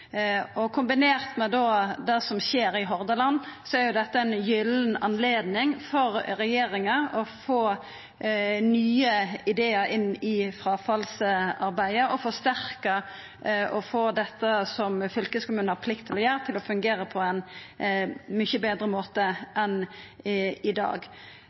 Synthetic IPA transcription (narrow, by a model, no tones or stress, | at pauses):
ɔkʰʊmbɪneːʁt̪mɛd̪oːd̪ɛːsɔmɕeːɾɪɦɔɾd̪əlɑnːsɔæɾjʊd̪ɛt̪ːəɛɪnjʏlnɑnleːd̪nɪŋfɔɾɾɛjeːɾɪŋəɔfoː | nyːəɪd̪eːəɾɪnːɪfɾɑːfɑlsɑɾbæɪəʔɔfɔʂt̪æɾkə | ɔfoːd̪ɛt̪ːəsɔmfʏlkəskʊmʉːnəɑpʰlɪkt̪ʰːɪlɔjøːɾət̪ʰɪlɔfʉŋɡeːɾəpʰɔɛn | mʏçəbeːd̪ɾəmoːt̪əʔɛn | ɪd̪ɑ̰ːɡ